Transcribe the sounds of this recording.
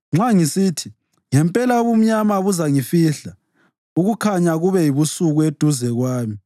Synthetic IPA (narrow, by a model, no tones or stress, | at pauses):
ŋ͡ǁaŋisitʰi | ŋɛmpʼɛlaoβum̩ɲamaβuzaŋifiɬa | uɣukʰaɲaɣuβɛjiβusuɣued̥ʱuzɛɣwaːmi